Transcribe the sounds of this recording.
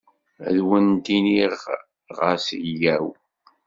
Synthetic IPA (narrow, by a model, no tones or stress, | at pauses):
æ̰ðwənt̪iniʁ | ʁəɾsjæw